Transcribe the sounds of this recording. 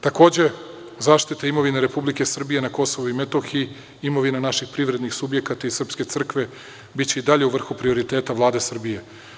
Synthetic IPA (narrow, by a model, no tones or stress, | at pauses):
t̪ako̞ːd͡ʑe̞ | zaːʃt̪it̪aimo̞ʋineɾe̞publike̞sr̩bije̞nako̞so̞ʋuimet̪o̞xi | imo̞ʋinanaʃixpɾiʋɾe̞d̪nixsubje̞kat̪aisr̩pske̞t̪sr̩kʋe̞ | bit͡ɕe̞id̪aʎe̞uʋr̩xupɾio̞ɾit̪e̞ːt̪aʋlˠaːd̪e̞sr̩bije̞